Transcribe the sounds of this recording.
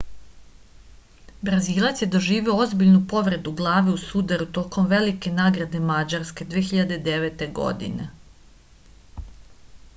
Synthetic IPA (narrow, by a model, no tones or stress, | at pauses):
bɾaziːlˠat̪sje̞d̪o̞ʒiːʋioo̞zbiʎnupo̞ʋɾe̞d̪uɡlˠaːʋiusud̪aɾut̪o̞ːko̞mʋe̞like̞naːɡɾad̪e̞mad͡ʑaɾske̞d̪ʋeːxiʎad̪ed̪e̞ʋet̪e̞ɡo̞̰d̪ḭnḛ